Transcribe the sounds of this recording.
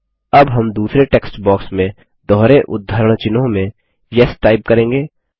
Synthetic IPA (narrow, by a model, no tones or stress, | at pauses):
ɐbɦɐmd̪uːsɾeʈeːksʈbɔːksmẽ | d̪ɔːɾeʔʊd̪ʱːəɾəɽ̃t͡ʃɪnõmẽ | jɛsʈaːɪp̚kɐɾẽːŋɡeː